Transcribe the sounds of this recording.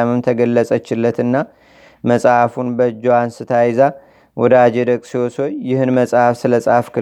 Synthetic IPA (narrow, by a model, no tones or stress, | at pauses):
amɨmt̪ʰəɡəlːəsʼət͡ʃːɪlːət̪ɨnːa | məsʼhafunbəd͡ʒoansɨt̪ʰajza | wɔd̪əad͡ʒed̪əkʼsiwosojɪhɨnməsʼhafsɨləsʼhafkʰɨ